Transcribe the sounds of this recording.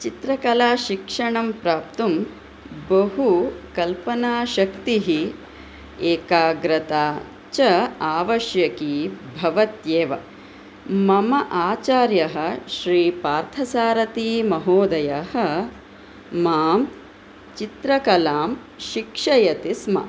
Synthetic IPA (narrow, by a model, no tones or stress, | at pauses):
t͡ʃit̪ɾɐkɐlaːʃikʂɐɳɐmpɾaːpt̪um | bɐɦukɐlpɐnaːʃɐkt̪iɦi | eːkaːɡɾɐt̪aː | t͡ʃɐaːʋɐʃjɐkiːbʱɐʋɐt̪jeːʋɐ̰ | mɐmɐʔaːt͡ʃaːɾjɐɦɐ̆ʃɾiːpaːɾt̪ʰɐsaːɾɐt̪iːmɐɦoːd̪ɐjɐhɐ | maːm | t͡ʃit̪ɾɐkɐlaːm | ʃikʂɐjɐt̪ismɐ̰